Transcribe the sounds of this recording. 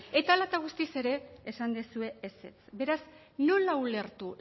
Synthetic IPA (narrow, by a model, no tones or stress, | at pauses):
e̞t̪alat̪aɣ̞ust̪ise̞ɾe̞ːsand̪esue̞ese̞̰t͡sbe̞ɾaz | nonlaule̞ɾt̪u